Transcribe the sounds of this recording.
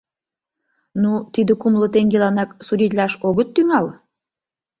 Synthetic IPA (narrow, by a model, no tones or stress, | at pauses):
nut̪id̪ə̆kumlə̆t̪eŋɡelɑnɑksuɾʲit̪lʲɑʃoɣət̪ːyŋɑl